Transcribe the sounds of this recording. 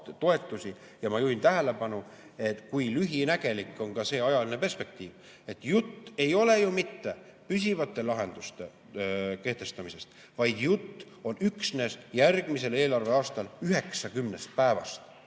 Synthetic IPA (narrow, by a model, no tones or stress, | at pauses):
t̪o̞e̞t̪ːˑusʲi | jɑmɑjuint̪æɦæle̞pɑnu | e̞t̪kujlyɦinæɡ̥e̞likːˑo̞nkɑse̞ːɑjɑline̞pe̞rspe̞k̚t̪iːv | e̞t̪ːjut̪ːe̞jo̞le̞jumit̪ːe̞pys̬ʲivɑt̪ˑːe̞lɑɦe̞nd̪̥ust̪e̞ | ke̞ht̪e̞st̪ɑmise̞st̪ | vɑjd̪̥jut̪ː | o̞nyksne̞sjærɡ̥mise̞leːlɑrve̞ɑːst̪ɑlyɦe̞ksɑkymne̞st̪̚pæevɑ̰st̪